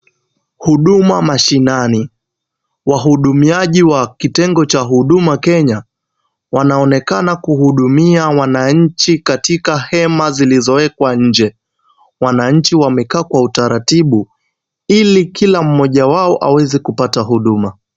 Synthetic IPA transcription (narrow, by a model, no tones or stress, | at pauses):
huɗumamaʃinani | waɦuɗumiaʄiwakitɛŋɡɔt͡ʃaɦuɗumakɛɲa | wanaɔnɛkanakuhuɗumiawanaɲ̩t͡ʃikatikahɛmazilizɔwɛkwaɲ̩d͡ʒɛ | wanaɲ̩t͡ʃiwamɛkaːkwautaɾatiɓu | ilikʰilam̩mɔʄawaɔʔa̰wɛzɛkupataɦuɗuma